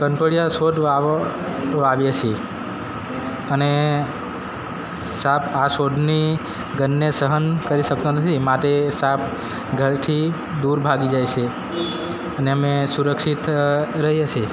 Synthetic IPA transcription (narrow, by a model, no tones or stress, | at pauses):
kənʈəɭijasoɖa | aʋjet͡ʃʰe | əne | sapʰasoɖni | ɡənːesəɦənkəɾiʃək̚t̪onət̪ʰimaʈ̪esapʰ | ɡʱəɭt̪ʰi | d̪uɾbʱaɡid͡ʒajt͡ʃʰe | əneəmesuɾəkʃit̪ɾəɦiət͡ʃʰe